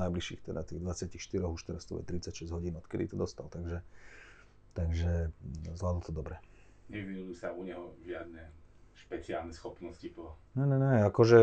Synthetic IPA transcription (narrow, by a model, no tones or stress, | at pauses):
najbliʃḭːxt̪ɛd̪at̪iɣd̪ʋat͡sɪacixʃt̪iɾɔɣuʃt̪ɛɾast̪ubɔ̰t̪ɾit͡sːacʃɛzɟɦɔɟiːnɔt̪kɛd̪ḭt̪ɔd̪ɔst̪alt̪aɡʒɛ | t̪aɡʒɛzlaːd̪l̩t̪ɔd̪ɔbɾɛ | ɲɛʋinujuːsauɲɛɦɔʒɪad̪̚nɛʃpɛt͡sia̰ːlnɛsxɔpnɔscipɔnɛnɛɲɛakɔʒɛ